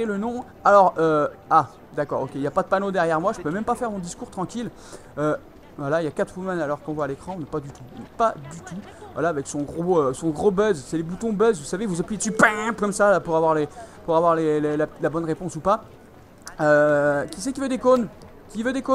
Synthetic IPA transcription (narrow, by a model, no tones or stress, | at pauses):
elənɔ̃ | alɔʁøa | d̪akɔ̰ːʁo̰kʲeiljapad̪əpanod̪ɛʁjɛʁmwaʒəpømɛmpafɛʁmɔ̃d̪iskuʁt̪χɑ̃kʲil | ø | vwalailjakat̪χumanalɔʁkɔ̃vwaːlekχɑ̃nɛpad̪yt̪upad̪yt̪u | vwa̰laːvɛksɔ̃ɡʁoøsɔ̃ɡʁobœzsɛlebut̪ɔ̃bœzvusavevuzãpijed̪əsypɛ̃pkɔmsalapuʁavwaʁlepuʁavwaʁlellalabɔnʁepɔ̃supa | økʲis̬ɛkʲivød̪ekon | kʲivød̪eko